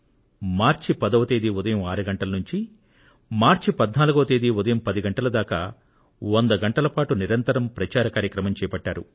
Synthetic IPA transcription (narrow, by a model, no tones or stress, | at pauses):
maːɾt͡ʃipɐd̪ɐʋɐt̪eːd̪iud̪ɐjɐmaːɾuɡɐɳʈɐlɐnuɲt͡ʃi | maːɾt͡ʃipɐd̪naːluɡɐʋɐt̪eːd̪iud̪ɐjɐmpɐd̪iɡɐɳʈɐlɐd̪aːka̰ː | wond̪ɐɡɐɳʈɐlɐpaːʈuniɾɐnt̪ɐɾɐmpɾɐt͡ʃaːɾɐkaːɾjɐkɾɐmɐmt͡ʃɛːjɐpɐʈːaːɾṵ